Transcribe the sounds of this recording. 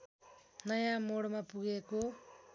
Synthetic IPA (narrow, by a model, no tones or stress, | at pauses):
nʌjãmoɽmapuɡeko